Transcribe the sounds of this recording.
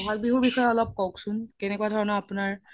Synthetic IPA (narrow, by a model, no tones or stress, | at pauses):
ɔɦalbiɦuɹbixɔjɔɔlɔp̚kɔwksʊnkɛnɛkuadʱɔɹɔnɔapʊnaɹ